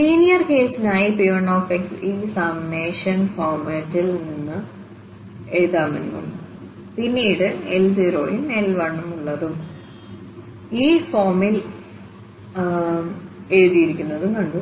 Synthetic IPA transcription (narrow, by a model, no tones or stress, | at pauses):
siːnijɐrkeːsinaːjipiʋɐɳoːfeksiːsɐmneːʂɐnfoːrmɐtːilninːɨ | eɻðaːmɐ̰nḭmɐ̰ɳːu | pinːiːɽɨelsiːɾo̞̰ːjinelʋɐɳːumːuɭːɐðum | iːfoːrmil | eɻuðijiɾikʲːunːɐðɨnɐɳɖu